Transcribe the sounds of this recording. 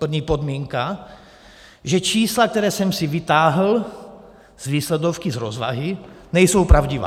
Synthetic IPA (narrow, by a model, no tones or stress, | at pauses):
pr̩vɲiːpod̪miːŋka | ʒɛt͡ʃiːslak̚t̪ɛɾɛːsɛmsivit̪aːɦl̩ | z̥ʋiːslɛd̪ofkizɾozʋa̰ɦinɛjsowpɾawɟiva̰ː